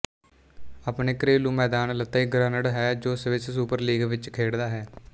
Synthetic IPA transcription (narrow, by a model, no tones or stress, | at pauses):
əpneːkɾeːlũːmɛːd̪aːnlət̪ːaːiːɡɾaːnəɽɦɛːd͡ʒoːsəʋɪssuːpəɾliːɡʋɪt͡ʃkʰeːɽd̪aːɦɛː